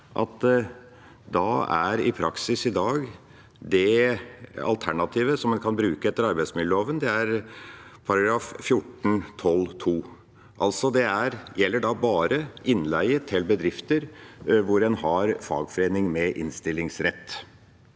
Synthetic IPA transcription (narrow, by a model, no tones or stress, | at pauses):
ʔɑ̰t̪ | d̪ɑæ̰ɾɪpʰɾɑksɪsɪd̪ɑːɡ | d̪ɛ | ɑ̰lt̪ʰæɳɑt̪ʰiːʋəsɔmɛnkʰɑnbɾʉːkəɛt̪ːəɾɑɾbæɪsmɪlːəloːʋənd̪ɛæɾpʰɑɾɑɡɾɑːffjʊʈːn̩t̪ʰɔlt̪ʰuː | ʔɑlt̪sɔd̪ɛæɾjɛlːəɖɑbɑːɾəʔɪnlæɪət̪ʰːɪlbəd̪ɾɪft̪əɾʋʊɾɛnhɑɾfɑ̰ːɡfɔɾeːnɪŋmɛʔɪ̰nst̪ɪlːɪŋsɾɛt̪ː